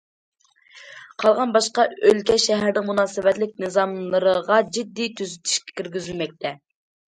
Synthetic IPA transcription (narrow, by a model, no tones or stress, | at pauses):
qʰɑlˠʁɑnbɑʃqɑølkʲɛʃɛɦæɾd̪ɪmunɑːsɨvɛt̪lɪk̚ʲnɨzɑmlˠəɾəʁɑd͡ʒid̪ːit̪ʰyzyt̪ʰy̥ʃkʲɛ̥kʲɾɡʲyzylmɛk̚ʲt̪ʰɛ